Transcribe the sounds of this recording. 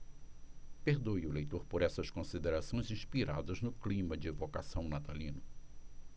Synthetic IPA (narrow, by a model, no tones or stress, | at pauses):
peɾd̪ojʊlejt̪oɾpoɾɛsɐskõsid̪eɾasõj̃zĩspiɾa̰d̪ɐznʊklĩmɐd͡ʒɪevokasɐ̃w̃nat̪alĩnʊ